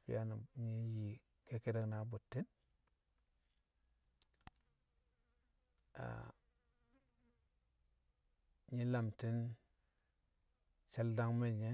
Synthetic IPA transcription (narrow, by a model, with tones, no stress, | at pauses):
pḭ˦ja˦na˨ɲi˦ji˨ | ke˦ke˦de˦˨kna˨˦bu˨tːi˦n | a̰˨ | ɲi˦la˨mti˦n | t͡ʃa˦lda˦ŋme˦˨ɲe˦